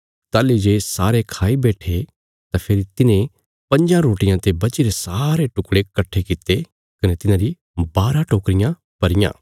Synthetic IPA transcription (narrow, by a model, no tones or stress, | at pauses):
t̪aːlid͡ʒeːsaːɾekʰaːibɛːʈʰe | t̪apʰeːɾit̪ɪnẽ | pɐ̃ɲd͡ʒãɾoːʈɪjãt̪ebɐt͡ʃiɾesaːɾeʈʊkɽekɐʈʰːekɪt̪ːe | kɐnet̪ɪnãːɾi | baːɾãʈoːkɾɪjã | pɐɾɪjã̰ː